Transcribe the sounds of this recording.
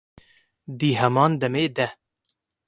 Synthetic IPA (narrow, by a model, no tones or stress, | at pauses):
d̪iːɦɛmɑːnd̪ɛmeːd̪ɛ